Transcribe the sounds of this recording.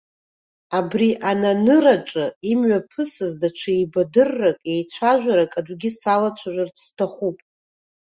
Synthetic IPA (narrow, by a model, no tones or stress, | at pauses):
abriʔananɨraʈ͡ʂʼɨimɥapʰɨsɨzdaʈ͡ʂʰɨjbadɨrːakʼe̞jt͡ɕʷʰaʒᶣʷaɾakʼadʷɡʲɪsalat͡ɕʷʰaʒʷᶣart͡sʰstʰaχʷupʼ